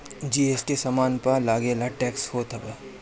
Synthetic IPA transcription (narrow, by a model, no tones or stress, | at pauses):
d͡ʒiːeːsʈisɐmaːnpɐlaːɡeːlaʈɛːkshoːt̪ʰɐbə